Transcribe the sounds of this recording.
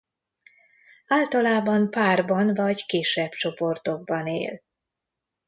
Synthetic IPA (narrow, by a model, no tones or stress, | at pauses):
aːlt̪ɒlaːbɒmpaːrbɒnvɒɟkeːʃɛbt͡ʃo̞po̞rt̪o̞ɡ̚bɒnḛːl